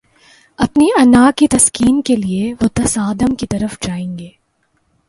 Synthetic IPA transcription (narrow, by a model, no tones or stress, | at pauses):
ɐpniɐnaːkit̪ɐskiːnkelieʋot̪ɐsaːd̪əmkit̪ɐɾəfd͡ʒaːẽːŋɡeː